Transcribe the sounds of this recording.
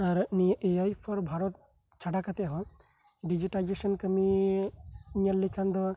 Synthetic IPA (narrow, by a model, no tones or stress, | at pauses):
aɾmiʔejajpʰɔɾbʱaɾɔt̪̚ | t͡ʃʰaɖakat̪eɦɔ | ɖid͡ʒiʈajd͡ʒesɔnkəmi | ɲəlːikʰand̪ɔ